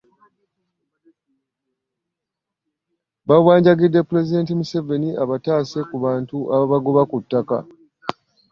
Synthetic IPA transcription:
bawaːɲɟaɡidːe̞pːule̞zide̞ːntimuse̞ve̞niaβataːse̞kuβaːntuʔaβaβaɡoβakutːaka̰

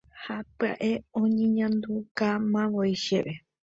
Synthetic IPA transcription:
hapɨa̰ʔeõɲẽɲãnd̪ukamãʋojʃeβe

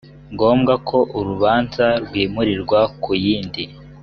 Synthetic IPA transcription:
ŋɡo̞ːmɡakʰo̞ʔuɾuβaːnzaɾɡwiːmuɾiɾɡwakʰujiːndi

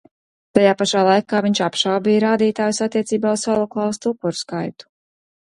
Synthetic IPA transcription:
t̪ajaːpaʃaːlˠajkaːviɲʲt͡ʃapʃawbijɾaːd̪iːt̪aːjusat̪ːiɛt̪siːbaːuz̥salˠuklˠalˠst̪upːuɾskajt̪u̥

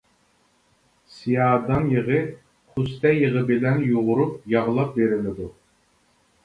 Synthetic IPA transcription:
sijɑːd̪ɑnjəʁɨ | χust̪ɛjəʁɨbɪlɛnjuʁʊɾup̚jɑʁlˠɑp̚veɾɪlɪd̪u

